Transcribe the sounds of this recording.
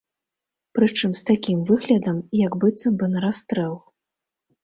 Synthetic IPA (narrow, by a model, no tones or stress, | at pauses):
pɾɨt͡ʂɨmst̪akʲimvɨɣlʲɐd̪ɐmjɐɡbɨt̪sɐmbɨnɐɾast̪ɾɛlˠ